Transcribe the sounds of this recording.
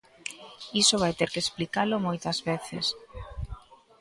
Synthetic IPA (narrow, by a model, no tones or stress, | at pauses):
isoβ̞ajt̪eɾkeesplikalʊmojt̪ɐzβeθɪ̰s